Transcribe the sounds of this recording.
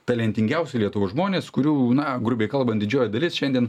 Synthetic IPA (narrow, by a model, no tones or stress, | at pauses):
t̪ɐlʲɛnʲt̪ʲɪŋʲɡʲɛʊsʲʊlʲiɛt̪ʊʋoːʒmoːnʲeːskʊɾʲuːnɐɡɾʊbʲeːkɐlˠbɐn̚ʲd̪ʲɪd͡ʒʲoːjd̪ɐlʲɪsʃʲɛnd̪ʲiɛn